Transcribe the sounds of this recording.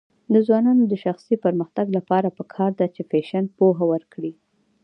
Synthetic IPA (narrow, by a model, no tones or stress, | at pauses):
d̪əzwɑnɑnod̪əʃaxsipəɾməxt̪aɡlapɑɾapəkʰɑɾd̪at͡ʃefeʃanpoɦawəɾkɽi